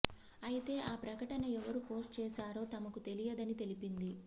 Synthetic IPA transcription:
ɐjit̪e̞ːʔaːpɾɐkɐʈɐnɐɛʋɐɾupo̞ːsʈt͡ʃɛːsaːɾo̞ːt̪ɐmɐkut̪e̞lijɐd̪ɐnit̪e̞lipind̪i

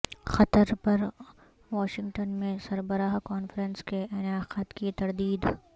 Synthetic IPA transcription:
xɐt̪əɾpɐɾ | ʋaːʃɪ̃ŋɡʈənmẽsɐɾbəɾaːɦkɔːnfɾənskeɪnaːqət̪kit̪ɐɾd̪iːd̪

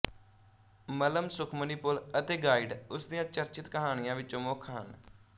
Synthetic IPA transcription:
mələmsʊkʰməniːpʊlət̪eːɡaːiɖʊsd̪ɪjãːt͡ʃəɾt͡ʃɪt̪kəɦaːɽ̃ɪjãːʋɪt͡ʃõːmoːkʰːɦə̰n

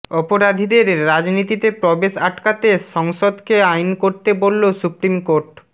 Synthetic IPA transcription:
ɔpoɾad̪ʱid̪eɾːad͡ʑnit̪it̪epɾɔbeʃaʈkat̪eʃɔŋʃod̪keajnkoɾt̪ebolːosupɾimkoɾʈ

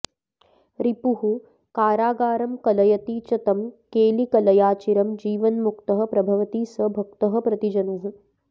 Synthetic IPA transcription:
ɾipuɦu | kaːɾaːɡaːɾɐmkɐlɐjɐt̪iːt͡ʃɐt̪ɐmkeːlikɐlɐjaːt͡ʃiɾɐmd͡ʒiːʋɐnmukt̪ɐɦɐ̆pɾɐbʱɐʋɐt̪iːsɐbʱɐk̚t̪ɐɦɐ̆pɾɐt̪id͡ʒɐnuɦũ

